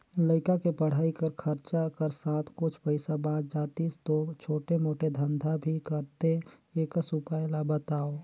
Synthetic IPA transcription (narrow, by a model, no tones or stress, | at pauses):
ləɪkakepəɽ̤aːikəɾkʰəɾt͡ʃakəɾsãːt̪ʰkʊt͡ʃʰpəɪsabãːt͡ʃd͡ʒaːt̪iːst̪ot͡ʃʰoːʈemoːʈed̪ʱə̃nd̪ʱabʱikəɾt̪eeːksʊpaːjlabət̪aːo